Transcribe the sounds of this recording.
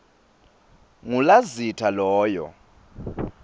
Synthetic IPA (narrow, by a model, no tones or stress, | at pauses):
ŋulazitʰalɔːjɔ̰